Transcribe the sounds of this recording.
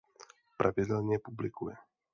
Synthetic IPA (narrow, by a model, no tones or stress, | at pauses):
pɾʔavɪdɛlɲɛpublɪkujɛ